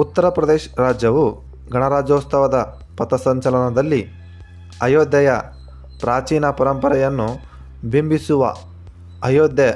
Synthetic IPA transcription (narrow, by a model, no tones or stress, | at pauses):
ut̪ːɐɾɐpɾɐd̪eːʃɾaːd͡ʒjɐʋu | ɡʱɐɳɐɾaːd͡ʒɐːst̪ɐʋɐd̪ɐ | pɐt̪ɐsɐɲt͡ʃɐlɐnɐd̪ɐlːi | ɐjoːd̪jɐjɐ | pɾaːt͡ʃiːnɐpɐɾɐmpɐɾɛjɐnːu | bimbisuʋɐ̰ | ɐjoːd̪jɐ